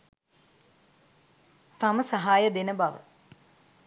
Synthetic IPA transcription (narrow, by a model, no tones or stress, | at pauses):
t̪aməsaɦaːjəd̪enəbɐʋə̰